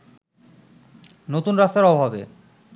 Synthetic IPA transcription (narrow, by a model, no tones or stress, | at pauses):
not̪unɾast̪aɾɔbʱabḛ